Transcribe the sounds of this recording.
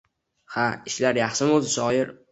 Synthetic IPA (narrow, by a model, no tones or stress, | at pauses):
haɪʃlaɾjɑχʃɪmozɪʃɒjɪɾ